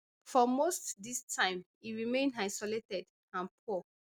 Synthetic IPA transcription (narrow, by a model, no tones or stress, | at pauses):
fɔmostdistʰãɪ̃m | iɹimẽndaɪsɔletɛd | ãnpʰu